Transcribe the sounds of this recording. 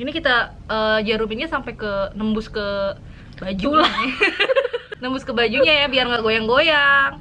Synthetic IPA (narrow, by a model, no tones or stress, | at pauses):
inikit̪a | əd͡ʒaɾuminɲasampajkənəmbʊskə | bad͡ʒula | nəmbʊskəbad͡ʒuɲajabiarŋɡaɡojaŋɡojaŋ